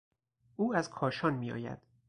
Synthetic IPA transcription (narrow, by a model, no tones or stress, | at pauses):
ʔuːæzkʰɒːʃɒːnmiːɒ̰ːjæ̰d̪̥